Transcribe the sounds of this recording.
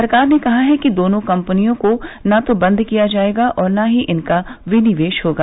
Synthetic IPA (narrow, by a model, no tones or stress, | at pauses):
ɐɾkaːɾnekɐɦaɦɛkid̪oːnõkɐ̃mpənijõkonat̪obɐ̃nd̪ʱkijad͡ʒaːeːɡaʔɔːɾnaɦiʔɪnkaʋɪnɪʋeːʃɦoːɡaː